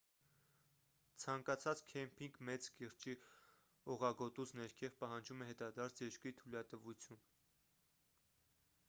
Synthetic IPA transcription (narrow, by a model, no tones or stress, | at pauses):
t͡sʰɑŋkɑt͡sʰɑt͡skʰɛmpʰiŋɡmɛt͡skiɾt͡ʃi | ɔʁɑɡɔt̪ut͡sʰnɛɾkʰɛvpɑɦɑnd͡ʒumɛɦɛt̪ɑd̪ɑɾt͡sʰjɛɾkit̪ʰulɑt̪əvut͡sʰjun